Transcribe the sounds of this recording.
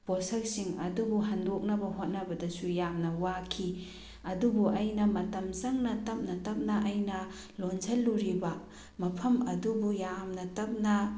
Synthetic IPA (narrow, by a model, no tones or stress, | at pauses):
posɐk̚siŋɐ̰dubuɦandok̚nɐbɐhot̚nɐbɐdɐsujamnɐwakʰi | ɐdubuʔɐjnɐmɐtɐmzɐŋnɐtɐp̚nɐtɐp̚nɐʔɐjnɐ | lonzʰɐlːuɾibɐ | mɐpʰɐmɐdubujamnɐtɐp̚nɐ